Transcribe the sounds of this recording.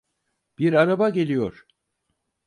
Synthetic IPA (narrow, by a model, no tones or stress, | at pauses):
b̥iɾaɾabaɟe̞lʲijo̞ɾ̥